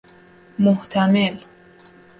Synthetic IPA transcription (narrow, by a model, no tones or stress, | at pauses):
moht̪ʰæmel